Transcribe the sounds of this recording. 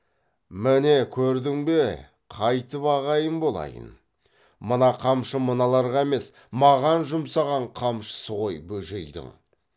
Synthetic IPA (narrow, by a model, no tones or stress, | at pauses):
mɪne̞kʲʰɵɾd̪ɪŋbe̞ | qʰɑjt̪əpɑʁɑjənbolˠɑ̰jə̰n | mənɑqʰɑmʃəmənɑlˠɑɾʁɑeme̞s | mɑʁɑnʒʊmsɑʁɑɴqʰɑmʃə̥səʁojbɵʒe̞̰jd̪ɪ̰ŋ